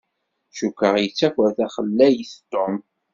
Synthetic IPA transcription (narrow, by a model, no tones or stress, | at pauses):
ʃukəʁjət͡sːækʷəɾθæχəlːæjəθt̪ːom